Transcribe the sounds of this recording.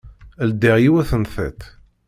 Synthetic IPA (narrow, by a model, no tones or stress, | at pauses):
æld̪iʁjiwæθənθæ̰t̪